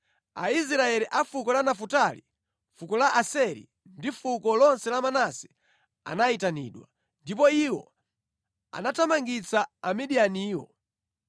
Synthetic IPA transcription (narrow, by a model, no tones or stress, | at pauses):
ais̬ɾaɛliʔafukɔlanafutali | fukɔlaʔasɛɾḭ | ndifukɔlɔnsɛlamanasɛ̥ | a̰naitanḭːɗwa̰ | ndipɔiwɔ̰ | a̰natamaŋɡit͡saːmiɗianiːwɔ̰